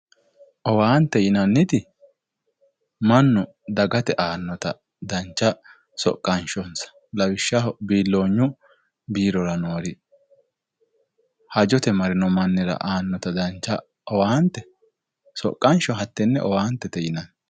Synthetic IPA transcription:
ʔɔwaːnt̪ːɛjɪnɐnːɪt̪ɪ | mɐnːʊ | d̪ɐɡɐt̪ɛʔaːnːɔt̪ɐ̰ | d̪ɐnt͡ʃːɐ | sɔ̰kʼːɐnʃɔnsɐ̥ | lɐwɪʃːɐbiːlːo̞ːɲːʊ | biːɾɔɾɐnoːɾɪ | hɐd͡ʒɔt̪ɛmɐɾɪnɔmɐnːɪɾɐ̰ʔaːnːɔt̪ɐd̪ɐnt͡ʃːɐ | ɔwaːnt̪ːɛ | sɔ̰kʼːɐnʃɔɦɐt̪ːɛnːɛʔɔwaːnt̪ːɛt̪ɛjɪnɐn

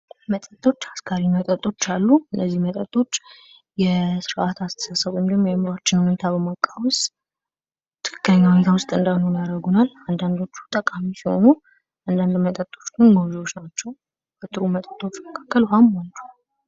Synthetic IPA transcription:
mət̪ʼət̪ʼːo̞t͡ʃːaskʰaɾimət̪ʼət̪ʼːo̞t͡ʃːalːuɨnːəzːihmət̪ʼət̪ʼːo̞t͡ʃː | jɛsɨɾʔat̪ʰast̪ʰə̥sasəβoɲd̪əmːjɛmɾat͡ʃːɪnhune̞t̪ʰabəmakʼːawʊst̪ʼ | t̪ʰɨ̥kʰɨ̥kːləɲːahune̞t̪ʰawʊst̪ʼɨnd̪anonijaɾəɡunaland̪and̪o̞t͡ʃːu̥t̪ʼəkʼamisiho̞̰nu | ʔand̪and̪mət̪ʼət̪ʼo̞t͡ʃːɡɨnɡawzio̞t͡ʃːnat͡ʃːɛw | bət̪ʼɨɾumət̪ʼət̪ʼːo̞t͡ʃːməkʰḁkːəlhamant͡ʃu̥

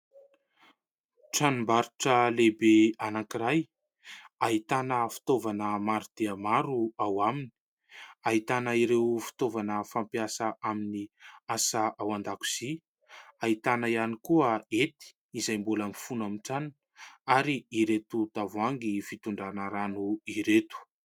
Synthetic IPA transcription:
ʈ͡ʂanimbaɾuʈ͡ʂəlebeanakiɾaj | aɦit̪anəfi̥t̪ovanəmaɾud̪̥eamaɾuawamini̥ | ait̪anəiɾewfi̥t̪ovanəfampiasəʔaminiasaʔawand̪aku̥z̥i | ait̪anaianikuəet̪i̥ːzajmbuləmifunamiʈ͡ʂann | aɾiiɾet̪ut̪avaŋɡifit̪uɳɖ͡ʐanaɾanuiɾet̪u̥

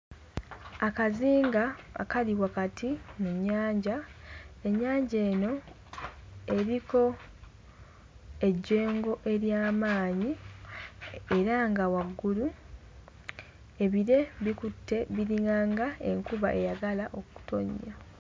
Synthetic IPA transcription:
akaziːŋɡa̰ːkaliwakatʰimuɲːaːɲɟae̞ɲːaːɲɟe̞ːno̞ | e̞ɾiko̞ | e̞ɟːe̞ːŋɡo̞ʔe̞ɾjaːmaːɲi | e̞ɾaŋɡawaɡːulu | e̞βiɾe̞βikutːe̞βiɾiŋaːŋɡae̞ŋkuβaʔe̞jaɡalaʔo̞ku̥to̞̰ɲːa

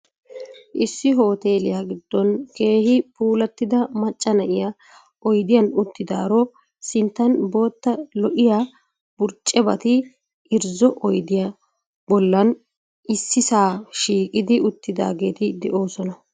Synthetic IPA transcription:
ʔɪsːɪɦo̞ːt̪e̞ːlɪjaːɡɪd̪ːɔnke̞ːhɪpuːlɐt̪ːɪd̪ɐmɐt͡ʃʼːɐnɐʔɪja | ʔɔjd̪ɪjɐnʊt̪ːɪd̪a̰ːɾɔ | sɪnt̪ːɐnbo̞ːt̪ːɐlɔʔɪja | b̥ʊɾt͡ʃʼːɛbɐt̪ɪ | ɪɾzɔʔɔjd̪ɪjɐ | bɔlːɐn | ɪsːɪsaːʃiːkʼɪd̪ɪʊt̪ːɪd̪a̰ːɡe̞ːt̪ɪd̪ɛʔo̞ːsɔnɐ

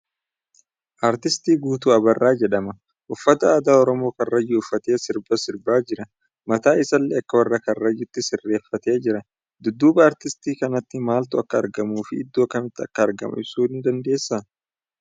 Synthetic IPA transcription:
ʔaːɾt̪ɪst̪iːɡuːt̪uːɐbɐrːaːd͡ʒɛᶑɐmɐ | ʔʊfːɐt̪ɐːd̪aːɔɾɔmo̞ːkɐrːɐjʊʊfːɐt̪e̞ːsɪɾbɐsɪɾbaːd͡ʒɪɾɐ | mɐt̪aːɪsɐlːɛɐkːɐwɐrːɐkɐrːɐjʊt̪ːɪsɪrːe̞ːfːɐt̪e̞ːd͡ʒɪɾɐ | d̪ʊd̪ːuːbɐːɾt̪ɪst̪iːkɐnɐt̪ːɪmaːlt̪ʊɐkːɐ̰ːɾɡɐmuːfɪɪd̪ːoːɐkːɐmɪt̪ːɪɐkːɐːɾɡɐ̰mʔɐ̰ɪbsuːɪnd̪ɐnd̪e̞ːsːaː

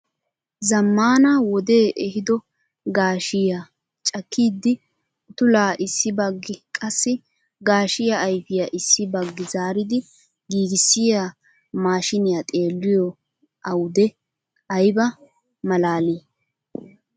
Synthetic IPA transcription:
zɐmːaːnɐwɔd̪e̞ːʔɛhɪd̪ɔ | ɡaːʃɪja | t͡ʃʼɐkʰːiːd̪ːɪ | t̪ʊlaːʔɪsːɪbɐɡːɪkʼɐsːɪ | ɡaːʃɪjaːjfɪjɐʔɪsːɪbɐɡːɪzaːɾɪd̪ɪ | ɡiːɡɪsːɪja | maːʃɪnɪjat̪ʼe̞ːlːɪjɔ | ʔɐwd̪ɛ | ɐjbɐ | mɐlaːli

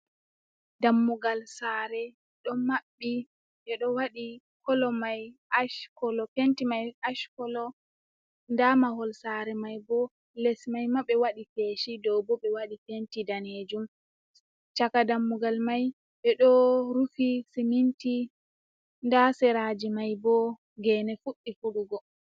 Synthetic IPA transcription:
damːuɡalsaːɾɛ | ɗɔmaɓːi | ʔɛɗɔwaɗi | kɔlɔmajaʃkɔlɔkentimajaʃkɔlɔ | ndamahɔlsaɾɛmajbɔ | lɛsmajmaɓɛwaɗifeʃidɔwbɔɓɛwaɗifentidaned͡ʒum | t͡ʃakadamːuɡalmaj | ɓɛɗɔɾufisiminti | ndasɛɾad͡ʒimajbɔ | ɡɛːnɛfuɗːifuɗuɡɔ

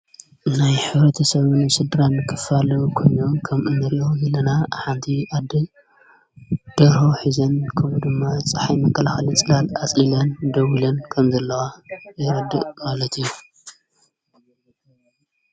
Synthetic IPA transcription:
najħɨβɾɐt̪ʰɐsɐβɨnsɨd̪ɾanɨkʰɨ̥falɐkʰo̞jno̞kʰɐmʔɨnɨɾʔo̞zɐlːɐnaħant̪ʰiad̪ɨ | d̪̥ɐɾho̞ħizɐnkʰɐmud̪ɨmːat͡sʼɨ̥ħajmɐkʰːɐlaxɐlɨt͡sʼɨlalat͡sʼilɐnd̪ɐwilɐnkʰɐmzɐlːɐwajɪɾɐd̪ɨʔmalɐt̪ijːu

